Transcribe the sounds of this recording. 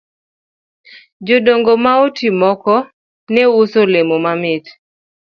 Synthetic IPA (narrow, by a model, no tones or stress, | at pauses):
d͡ʒodoŋɡomaotʰimɔkɔ | nɛusolemomamɪt